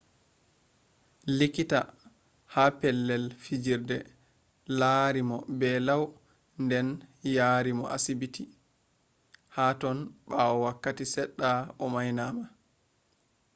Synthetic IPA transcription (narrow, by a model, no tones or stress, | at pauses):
likita | hapɛlːɛlfid͡ʒiɾdɛ | laɾimɔbɛlaw | ndɛnjaːɾimɔʔa̰sibiti | haːtɔnbaɔwakːatisɛɗːaɔmajnaːma